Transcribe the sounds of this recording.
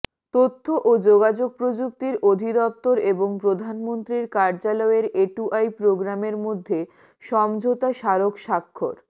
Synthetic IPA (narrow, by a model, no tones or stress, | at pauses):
t̪ot̪ʰːoʔod͡ʑoɡad͡ʑoɡ̚pɾod͡ʑuk̚t̪iɾod̪ʱid̪ɔp̚t̪oɾeboŋpɾod̪ʱanmont̪ɾiɾkaɾd͡ʑalɔeɾeʈuʔajpɾoɡɾameɾmod̪ʱːe | ʃɔmd͡ʑʱot̪aʃaɾokʃakʰːoɾ